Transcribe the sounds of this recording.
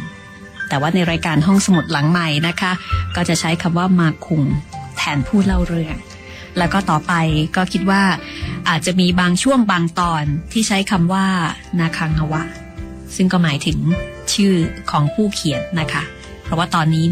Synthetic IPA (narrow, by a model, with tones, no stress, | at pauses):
t̪ɛː˨˩waː˥˩na˧jɾaː˧jkaː˧nɦɔ˥˩ŋsa˧mu˨˩t̪̚la˩˦ŋma˨˩jna˦˥kʰa˦˥kɔː˥˩t͡ɕa˨˩t͡ɕʰa˦˥jkʰa˧mwaː˥˩maː˧kʰu˧ŋt̪ʰɛː˧npʰuː˥˩la˥˩wɾɯ˧əŋ | lɛː˦˥wkɔː˥˩t̪ɔː˨˩pa˧jkɔː˥˩kʰi˦˥t̪̚waː˥˩ʔaː˨˩t̪̚t͡ɕa˨˩miː˧baː˧ŋt͡ɕʰu˥˩əmbaː˧ŋt̪ɔː˧nt̪ʰiː˥˩t͡ɕʰa˦˥jkʰa˧mwaː˥˩ | naː˧kʰaː˧ŋʔa˧wa˦˥ʔ | sɯ˥˩ŋkɔː˥˩maː˩˦jt̪ʰɯ˩˦ŋt͡ɕʰɯː˥˩kʰɔː˩˦ŋpʰuː˥˩kʰi˨˩ət̪̚na˦˥kʰa˦˥ | pʰɾɔ˦˥waː˥˩t̪ɔː˧nːiː˦˥